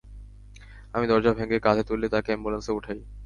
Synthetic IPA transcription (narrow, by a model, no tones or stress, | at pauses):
amid̪ɔɾd͡ʑabʱeŋɡekad̪ʰʱet̪ulːet̪akɛmbolanseuʈʰaj